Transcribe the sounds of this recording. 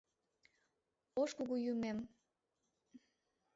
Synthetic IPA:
oʃkuɣujumem

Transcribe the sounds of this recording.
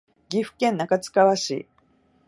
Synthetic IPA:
ɡʲiɸɯ̟̥kẽ̞nːakat͡sɨ̥kaβaɕḭː

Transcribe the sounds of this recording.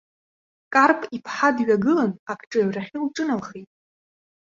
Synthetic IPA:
kʼarpʼipʰħadɥᶣaɡɨlanakʰʈ͡ʂʼɨɥraχʲilʈ͡ʂʼɨnalχejtʼ

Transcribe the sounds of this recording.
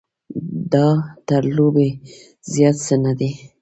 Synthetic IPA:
d̪ɑt̪aɾlobe | zjɑt̪sənad̪e

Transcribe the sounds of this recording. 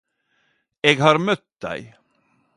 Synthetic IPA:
eːɡɦɑːɾmœt̪̚d̪æ̰ɪ

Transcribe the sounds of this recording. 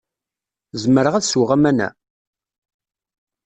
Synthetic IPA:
zəməɾəʁæðsuwʁæmænæ̰

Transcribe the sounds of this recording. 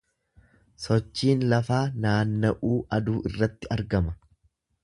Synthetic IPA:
sɔt͡ʃːiːnlɐfaːnaːnːɐʔuːʔɐd̪uːʔɪrːɐt̪ːɪɐɾɡɐmɐ

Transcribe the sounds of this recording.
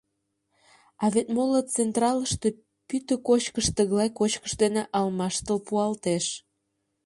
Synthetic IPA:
ɑβet̪molət͡sent̪rɑləʃt̪e̽ | pyt̪əkot͡ɕkəʃt̪əɣlɑjkot͡ɕkə̥ʃd̪eneʔɑlmɑʃt̪əlpuɑlt̪eʃ

